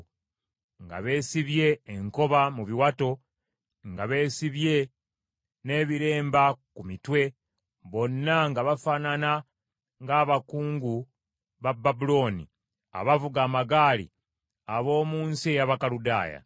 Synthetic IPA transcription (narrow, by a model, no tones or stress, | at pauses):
ŋɡa̰βe̞ːsiβje̞ːŋko̞βamuβiwato̞ | ŋɡaβe̞ːsiβje̞ | ne̞ːβiɾe̞ːmbakumitwe̞ | βo̞nːaŋɡaβafanana | ŋɡaːβakuːŋɡu | βabːabulo̞ːnḭ | a̰βavuɡaːmaɡaːlḭ | aβo̞ːmuːnsie̞jaβakaluda̰ːja̰